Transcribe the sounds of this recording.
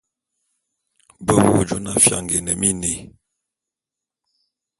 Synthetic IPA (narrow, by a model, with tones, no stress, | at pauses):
bə˦wo˦d͡ʒo˦na˦fja̰˦˨ŋɡe˨nə˨mi˦ne˨